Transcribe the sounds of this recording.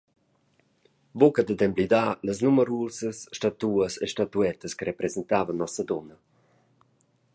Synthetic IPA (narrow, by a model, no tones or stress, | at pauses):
bokəd̪əd̪ɛmblid̪aləsnuməɾusəsːtat̪uəseʃtat̪uɛt̪əskəɾɛpɾɛzɛnt̪aːvənːɔsəd̪ɔnə